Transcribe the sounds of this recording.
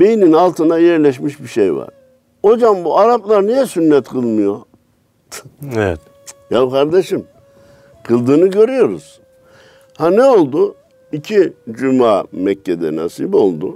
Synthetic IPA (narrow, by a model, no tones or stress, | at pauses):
b̥e̞jininalˠt̪ʰɯnajɛɾlʲɛʃ̬miʃbiʃejva̰ɾ̥ | ho̞d͡ʒambuaɾaplˠaɾnijɛsynːɛt̪kʰɯlˠmɯjo̞ | evɛt̪ | jalkʰaɾd̪eʃɯm | kʰɯlˠd̪ɯːnɯɟø̞ɾyjo̞ɾuz̥ | hanɛo̞lˠd̪ʊ | icʰid͡ʒymaːmɛcːed̪ɛ̰na̰sibo̞lˠd̪ʊ